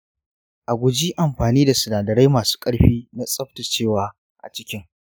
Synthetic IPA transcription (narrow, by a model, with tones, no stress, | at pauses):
ʔa˨ɡʷʊ˨d͡ʒiː˦ʔa˨mɸaː˨niː˦da˨sʊ˨naː˨dɐ˨ɾa˦jmaː˨su̥ː˦kʼɐ˦ɽɸiː˦na˦sʼɐ˦ɸta˨t͡ʃeː˦˨waː˦ | ʔa̰˨t͡ʃɪ˦kʲɪ˦ŋ